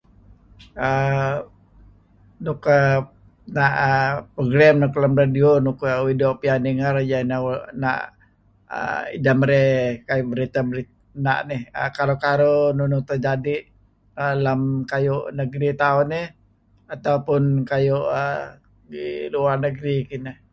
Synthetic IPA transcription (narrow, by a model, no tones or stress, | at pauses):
ə | nukə | naʔəpɾoɡɾamnʊklamɾadionʊkəwidoʔpianəŋard͡ʒanana̰ʔ | ə̰ḭdamɾɛkajʊʔbəɾit̪abəɾi | na̰ʔnɪhə̰kalokaɾonunʊt̪ərd͡ʒadiʔ | əlamkajʊʔnəɡɾit̪aʊnːɪh | at̪aupʊnkajʊʔə | ɡḭluarnəɡɾikinə